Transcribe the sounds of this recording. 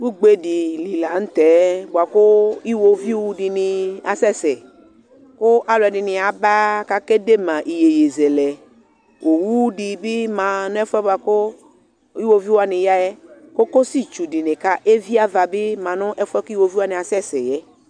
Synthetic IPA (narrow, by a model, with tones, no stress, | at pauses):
wu˦ɡ͡be˦di˨li˨la˨n̩˦t̪ɛ˨˦bu˨a˨ko˦i˦wo˧vi˦wu˨˧di˨nĩ˨a˨sɛ˦˨sɛ˨ | kʊ˦ʔa˦lɛ˨di˨nɪ̃˧a˨ba˦ka˦ke˦de˦mã˨ʔi˨je˨je˨zɛ˨lɛ˨ | wʔo˨wu˦di˨bɪ˦mã˨nʊ̃˦ɛ˦fɛ˦ba˨ko˦ | i˦wo˦vi˦wa˦nĩ˨ja˦jɛ˦ko˦ko˦si˦t͡ʃu˨di˨ne˨ka˦ʔe˦vi˦a˦va˨bɪ˦mã˨nʊ̃˦ʔɛ˦fɛ˦ku˦i˦wo˦vi˦a˦nĩ˨a˨sɛ˦˨sɛ˨jɛ˦